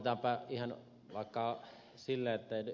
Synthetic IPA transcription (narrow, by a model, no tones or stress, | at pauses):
t̪ɑmpæihɑn | ʋɑˑekːɑ | silːæet̪ːæeˑiny